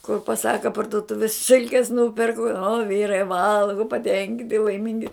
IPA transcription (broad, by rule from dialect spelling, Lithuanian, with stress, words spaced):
kʊr pɐˈsɑːkɐ pɐrdʊˈtʊʋʲɪs ˈsʲɪlʲkʲɛs ˈnuːpʲɛrkʊ oː ˈʋʲiːrɐɪ ˈʋɐlˠɡʊ pɐˈtʲɛŋʲkʲɪnʲtʲɪ lˠɐɪˈmʲɪŋʲɡʲɪ